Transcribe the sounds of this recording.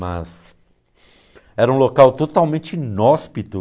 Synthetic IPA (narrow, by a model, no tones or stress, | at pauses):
mɐ̰s | ɛɾɐũlokawt̪ot̪awmẽnt͡ʃɪnɔspit̪ʊ